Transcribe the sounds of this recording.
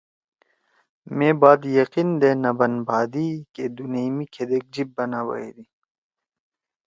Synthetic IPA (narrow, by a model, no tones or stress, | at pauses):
meːbaːd̪jɐqind̪eːnɐbɐnbʱaːd̪iked̪unemikʰed̪eːk̚d͡ʑibːɐnaːbɐ̰ḭd̪i